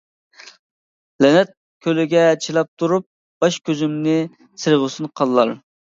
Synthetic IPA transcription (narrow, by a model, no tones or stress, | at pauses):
lɛnɛt̪̚ | kʲʰølɪɡʲɛt͡ʃʰilˠɑp̚t̪ʰuɾup̚ | b̥ɑʃkʲʰøzymnɪ | sɨɾʁʊsunqʰɑlˠːɑɾ